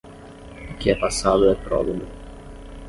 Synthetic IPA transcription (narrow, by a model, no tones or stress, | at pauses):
kːiɛpːasːaːt̪oɛpːɾɔ̰dod̪o